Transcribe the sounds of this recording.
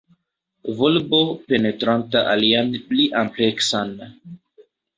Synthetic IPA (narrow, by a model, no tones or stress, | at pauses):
volbopenetɾantaʔalianpliʔampleksan